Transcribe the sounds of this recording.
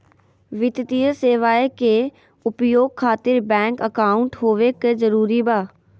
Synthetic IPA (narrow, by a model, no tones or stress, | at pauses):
ʋɪt̪t̪ijəseːʋaːeke | ʊpjoːɡ̚kʰaːt̪ɪɾbɛ̃ːŋkəkaːʊ̃ɳʈɦoːʋekezəɾuːɾibaː